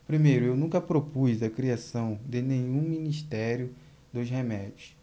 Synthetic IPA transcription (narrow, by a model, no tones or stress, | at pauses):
pɾimejɾʊewnũkɐpɾopuzd̪ɐkɾiasɐ̃w̃d̪ɪnẽɲ̃ũmĩniʃt̪ɛɾjʊ | d̪ʊshemɛdjʊs